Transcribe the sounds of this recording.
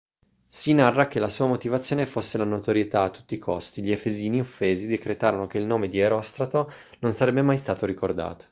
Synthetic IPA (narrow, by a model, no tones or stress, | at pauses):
sinarːak̟elasuːamot̪ivat̪sːjoːnefosːelanot̪oɾjet̪aːt̪ːu̥t̪ːikʰost̪iʎiefeziːniofːeːzid̪ekɾet̪aːɾonokeilnoːmed̪ieɾɔst̪ɾat̪o | nonsaɾɛbːemajst̪aːt̪oɾikord̪a̰ːt̪o̥